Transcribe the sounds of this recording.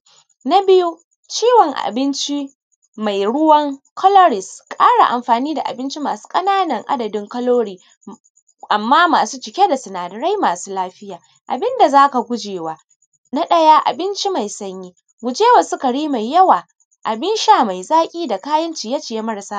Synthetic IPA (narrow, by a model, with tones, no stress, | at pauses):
na˦bɪ˦ju˦ | t͡ʃiː˦wɔ˨ŋʔa̰˨bɪ˦nt͡ʃi˦ | ma˨jɽʊ˦wɐ˦ŋkʰɔ˦lɔ˦ɽɪ˨skʼaː˦ɽa̰˨ʔa˨mɸaː˨niː˦da̰˨ʔa̰˨bɪ˦nt͡ʃi˦maː˨su̥ː˦kʼɐ˦naː˦nɐ˨ŋʔa̰˦dɐ˨dɪ˦ŋkɐ˦loː˦ɽiː˦ | ʔa˨mːaː˦maː˨suː˦t͡ʃɪ˨kʲe˦da˨sʊ˨naː˨dɪ˨ɽa˦jmaː˨suː˦laː˦ɸɪ˦jaː˨ | ʔa̰˨bɪ˦nda˨zaː˦ka˨ɡʷʊ˦d͡ʒeː˨waː˦ | na˦ɗɐ˦ja˦ʔa̰˨bɪ˦nt͡ʃi˦ma˨jsɐ˦ɲjiː˦ | ɡʷʊ˨d͡ʒeː˦wa˨sʊ˦ka˨ɽiː˦ma˨jːɐ˦waː˨ | ʔa˨bɪ˦nʃaː˦ma˨jzaː˦kʲʼiː˦da˨kaː˦jɐ˦nt͡ʃi˨ja˦t͡ʃɪ˨je˦mɐ˦ɽsaː˦